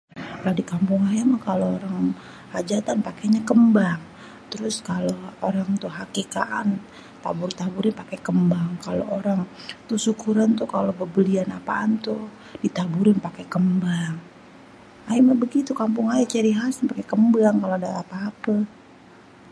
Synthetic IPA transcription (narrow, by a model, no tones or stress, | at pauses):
kadikampʊŋajamakalooɾaŋ | had͡ʒat̪anpakeɲakəmbaŋ | t̪əɾʊskalooɾaŋt̪ʊɦakika̰ʔan | t̪a̰bʊrt̪abuɾɪnpakekəmbaŋkalo̰ʔoɾaŋt̪ʊhsukuɾant̪ʊkalobəbəlianapa̰ːnt̪ʊ | d̥it̪abuɾɪnpakekəmbaŋ | aimabəɡit̪ukampʊŋajat͡ʃəɾiɦasinpakekəmbaŋkaloadaːpaːpə